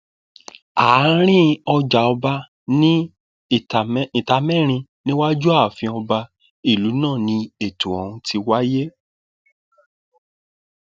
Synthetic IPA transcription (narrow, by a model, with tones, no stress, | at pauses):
a˨˦ɾ̃ĩ˦ɔ˧d͡ʒa˨ɔ˧ba˧ | nĩ˦˨˦ | ĩ˨ta˧mɛ̃˦˨ɾ̃ĩ˧nĩ˦wa˦d͡ʒu˦a˦˨fĩ˧ɔ˧ba˧ | i˦˨lu˨˦nãː˦˨nĩ˧e˦˨tũ˨ɔ˨ũ˧tʰi˧wa˦je˦